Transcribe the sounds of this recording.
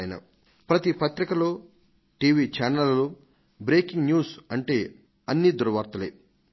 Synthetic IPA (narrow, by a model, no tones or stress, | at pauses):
jɐnɐ̰ | pɾɐt̪ipɐt̪ɾikɐlo̞ː | ʈiːʋiːt͡ʃaːnɐllu | bɾeːkiŋɡnjuːsɐɳʈe̞ː | ɐnːid̪uɾɐʋaːɾt̪ɐle